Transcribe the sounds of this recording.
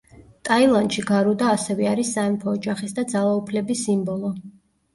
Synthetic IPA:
t̪ʼailˠand̪ʃiɡaɾud̪aːsɛvɛaɾisːaɛmpʰɔːd͡ʒaχisd̪ad̪zalˠaupʰlɛbisːimbɔlˠɔ

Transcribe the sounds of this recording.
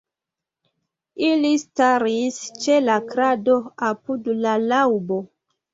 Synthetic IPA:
ilistaɾist͡ʃe̞lakɾado̞apudlalawbo̞

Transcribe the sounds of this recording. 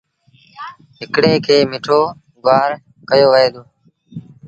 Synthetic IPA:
ɦɪkɽeːkʰeːmɪʈʰoː | ɡʊaːɾ | kəjoːʋɦeːd̪oː

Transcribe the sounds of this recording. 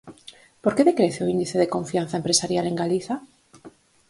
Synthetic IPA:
poɾkeðekɾeθeoind̪iθeðekoɱfian̟θaempɾesaɾjaleŋɡaliθa

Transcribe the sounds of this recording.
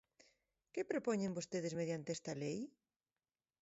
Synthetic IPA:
kɪpɾepɔɲẽmbost̪eðɪzmeð̞jant̪eɛst̪ɐlej

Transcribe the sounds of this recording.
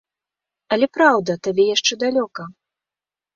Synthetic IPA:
ɐlʲɛpɾawd̪ɐt̪abʲɛjaʂt͡ʂɛd̪alʲɔkɐ

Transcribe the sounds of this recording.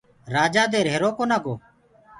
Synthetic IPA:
ɾaːd͡ʒaːd̪eːɾɦeːɾoːkoːnaːɡoː

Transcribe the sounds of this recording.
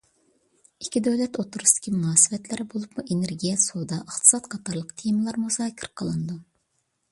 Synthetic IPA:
ikʲːid̪øwlɛt̪ot̪uɾust̪ɪ̥kʲʰimunɑːsɨvɛt̪ʰlɪɾɪbolˠupmuʔeneɾɡʲijɛsod̪ɑʔəχt̪ʰɨ̥sɑt̪qʰɑt̪ʰɑɾlˠəqt̪ʰejmɨlˠɑɾmuzɑːkʲʰɪɾqʰəlˠɨnɨd̪u

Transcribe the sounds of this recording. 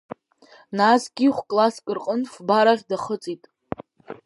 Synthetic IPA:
nasɡʲiχʷkʼlaskʼɨrqʼənfbaɾaʁʲdaχət͡sʼitʼ

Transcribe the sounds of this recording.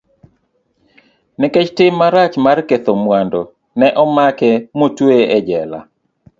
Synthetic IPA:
nɪket͡ʃtɪmːaɾat͡ʃmarket̪omwando | nɛʔɔmakɛmotweʔɛd͡ʒɛla̰

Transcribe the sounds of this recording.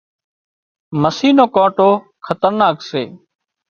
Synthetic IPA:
məsiːnoːkãːʈoː | kʰət̪əɾnaːkseː

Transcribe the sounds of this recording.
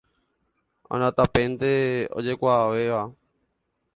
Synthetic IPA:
õ̰nãt̪apẽnt̪eo̰d͡ʒekʷaʋeʋa

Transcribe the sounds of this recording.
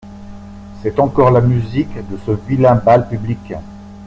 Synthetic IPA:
sɛt̪ɑ̃kɔʁlamyzikd̪əsəvilɛ̃balpyblik

